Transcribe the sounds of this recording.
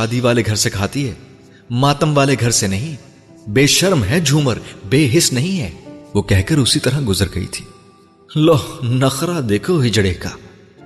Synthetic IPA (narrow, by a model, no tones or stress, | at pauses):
aːd̪iʋaːleɡʱɐɾsekʰaːt̪iɦɛː | maːt̪əmʋaːleɡʱɐɾsenɐɦĩ | beːʃɐɾmɦɛd͡ʒʱuːməɾbeːɦɪsnɐɦĩɦɛːʋoːkɛɦkəɾʊsit̪ɐɾɐɡʊzəɾɡɐ̰ḭt̪ʰi̥ː | lɔːnɐxɾad̪eːkʰoɦɪd͡ʒɽeːkaː